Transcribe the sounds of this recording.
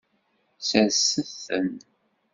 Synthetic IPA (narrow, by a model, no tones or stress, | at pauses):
sæsəθə̰n